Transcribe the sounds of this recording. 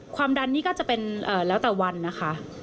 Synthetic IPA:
kʰwaː˧mda˧nːiː˥˩kɔː˥˩t͡ɕa˨˩pe˧nʔəː˨˩lɛː˦˥wt̪ɛː˨˩wa˧nːa˦˥xʰa˦˥ʔ

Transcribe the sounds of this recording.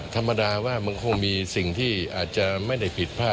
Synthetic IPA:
t̪ʰa˧mːa˧daː˧waː˥˩ma˧nkʰo˧ŋmiː˧si˨˩ŋt̪ʰiː˥˩ʔaː˨˩t̪̚t͡ɕa˨˩ma˥˩jda˥˩jpʰi˨˩t̪̚pʰaː˥˩

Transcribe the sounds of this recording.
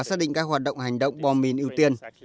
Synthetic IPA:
saː˦˥ɗḭ˧˨ŋkaː˦˥k̚hwaː˨˩t̚ɗə̰˧˨wŋ͡mha˨˩jŋ̟ɗə̰˧˨wŋ͡mɓɔ˧mi˧˩nʔi˧əwt̪i˧ən

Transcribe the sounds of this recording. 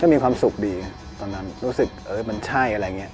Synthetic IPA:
kɔː˥˩miː˧kʰwaː˧msu˨˩k̚diː˧ | t̪ɔː˧nːa˦˥nɾuː˦˥sɯ˨˩k̚ʔɤː˦˩ma˧nt͡ɕʰa˥˩jʔa˧ɾa˧jŋi˦˥ɐʔ

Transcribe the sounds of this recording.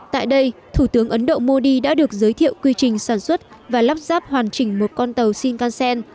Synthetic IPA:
t̪a̰ː˧˨jɗə˧jt̪ʰu˧˩t̪ɨ˨˦əŋʔə˨˦nɗo̰˧˨mo˧ɗi˧ɗa̰ː˧˥ɗɨ˨˩ək̚zəː˨˦jt̪ʰḭ˧˨əwkwi˧t͡ɕï˨˩ŋ̟saː˧˩nswə˦˥t̚vaː˨˩laː˦˥p̚zaː˦˥p̚hwaː˨˩nt͡ɕï˨˩ŋ̟mo˨˩t̚kɔ˧nt̪ə˨˩wsi˧nkaː˧nsɛ˧n

